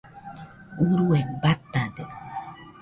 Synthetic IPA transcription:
uɾuebat̪ad̪e

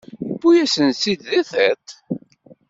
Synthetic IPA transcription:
bːujæsənsid̪ðæθæt̪

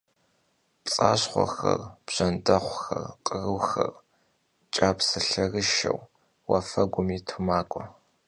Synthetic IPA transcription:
pʼt͡sʼaːɕχʷɔ̰xɐrb̥ʑ̥ɐndɐχʷxɐrqʼərɨwxɐr | t͡ʃʼaːpsɨɬɐrɨʃɐ̰w | wɐfɐɡʷʊmiːtʰumaːkʷʼɔ

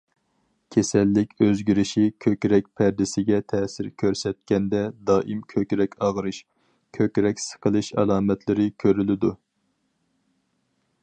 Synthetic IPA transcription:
kʲʰesɛlːɪkʲøzɡʲiɾɪʃikʲʰøkʲɾɛk̚ʲpʰɛɾd̪ɪsɪɡʲɛt̪ʰɛːsɪɾkʲʰøɾsɛt̪̚kʲɛnd̪ɛd̪ɑːʔimkʲʰøkʲɾɛkʲɑʁɾɨʃ | kʲʰøkʲɾɛkʲsə̥qʰəlˠɨʃɛ̰lˠɑːmɛt̪ʰlɪɾɪkʲʰøɾylɪd̪u

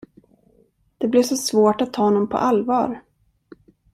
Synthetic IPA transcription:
d̪̥ɛblɪʂɔsvoːʈat̪ʰːɑːnɔmpʰɔ̰ʔalvɑ̰ːɾ

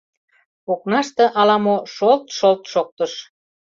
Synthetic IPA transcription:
oknɑʃt̪ĕʔɑlɑmoʃolt̪ʃolt̪ʃok̚t̪əʃ

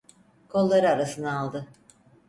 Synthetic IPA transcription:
kʰo̞lˠːaɾɯaɾasɯnaːlˠd̪ɯ

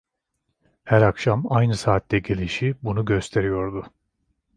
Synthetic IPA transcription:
hæɾakʃamajnɯsaːt̪ːɛɟe̞lʲiʃibunuɟø̞st̪ʰe̞ɾijo̞ɾd̪ʊ

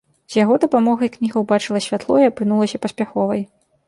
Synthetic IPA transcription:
z̥ʲjaɣɔd̪ɐpamɔɣɐjknʲiɣɐwbat͡ʂɨlˠɐsʲvʲat̪lˠɔjɐpɨnulˠɐsʲɐpɐsʲpʲaxɔvɐj

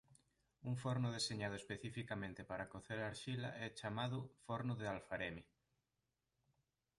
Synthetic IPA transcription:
uŋfoɾnʊðeseɲaðʊespeθifikamẽnt̪epaɾakoθeɾaɾʃila̰ʔɛt͡ʃamaðʊfoɾnʊðealfaɾemi

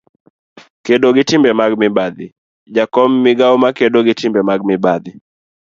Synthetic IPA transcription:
kɛɗɔɡitimbɛmaɡ̚mibad̪ɪ | d͡ʒakɔmːiɡaumakɛɗɔɡitimbɛmaɡ̚mɪbad̪i

